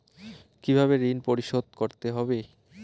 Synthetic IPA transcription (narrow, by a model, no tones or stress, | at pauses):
kibʱabeɾinpoɾiʃod̪̚ʱkoɾt̪eɦɔbe